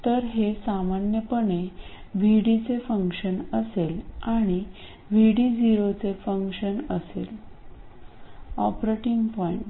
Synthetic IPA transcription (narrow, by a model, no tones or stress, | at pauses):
t̪əɾɦesamanjəpəɳe | ʋiɽit͡sefəŋkʂənəselaɽ̃i | ʋiɽid͡ziɾot͡sefəŋkɕənəsḛl | ɔpɾeʈiŋɡpɔiɳʈ